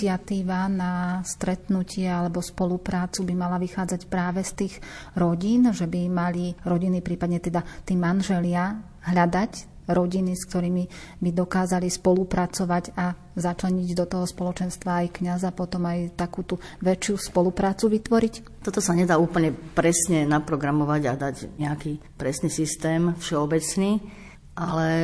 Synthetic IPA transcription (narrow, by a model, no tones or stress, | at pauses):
at̪iːʋanast̪ɾɛt̪nucɪɛalɛbɔspɔlupɾaːt͡subimalaʋixaːd͡zacpɾaːʋɛst̪iːɣɾɔɟiːnʒɛbimaliɾɔɟinipɾiːpad̪ɲɛt̪ɛd̪at̪ɛːmanʒɛlɪa | ɦʎad̪ac | ɾɔɟiniskt̪ɔɾiːmi | bid̪ɔkaːzalispɔlupɾat͡sɔʋaɟa | zat͡ʃlɛɲiɟd̪ɔt̪ɔɦɔspɔlɔt͡ʃɛnst̪ʋaːjkɲazapɔt̪ɔmajt̪akuːt̪uʋɛt͡ʃɪuspɔlupɾaːt͡suʋit̪ʋɔɾic | t̪ɔt̪ɔsaɲɛd̪aːuːpl̩ɲɛpɾɛsɲɛnapɾɔɡɾamɔʋaɟad̪aɟɲɛakipɾɛsniːsist̪ɛːmfʃɛɔbɛt͡sniː | ʔalɛ